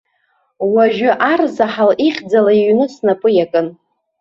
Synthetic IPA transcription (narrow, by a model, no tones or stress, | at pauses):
waʒᶣʊʔarzaħaliχʲd͡zalaiɥnɨsnapʼɨjakʼɨn